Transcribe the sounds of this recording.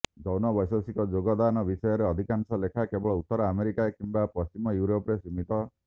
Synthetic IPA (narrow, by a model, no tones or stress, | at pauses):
d͡ʒɔwnɔbɔjsɔsikɔd͡ʒoɡɔd̪anɔbisɔjɔɾeɔd̪ʱikansɔlekʰakebɔɭɔut̪ːɔɾɔameɾikaekimbapɔst͡ʃimɔjuɾopɔɾesimit̪ɔ